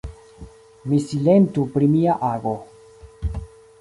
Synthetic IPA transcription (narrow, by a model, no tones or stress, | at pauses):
misilentupɾimiaʔaɡo